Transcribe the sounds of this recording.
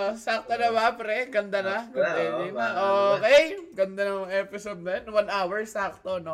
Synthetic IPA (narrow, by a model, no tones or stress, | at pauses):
sak̚t̪onɐbapɾɛɡɐnd̪ɐnɐɡɐnd̪ɛd̪ɪnɐʔoːkɛjɡɐnd̪anɐɐŋɛpɪsod̪̚nɐnwɐnʔawɛɹsak̚t̪ono